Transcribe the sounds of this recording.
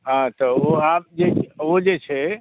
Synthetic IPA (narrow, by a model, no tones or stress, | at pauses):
ɦãt̪ɔoab̚d͡ʒeod͡ʒet͡ʃʰɛ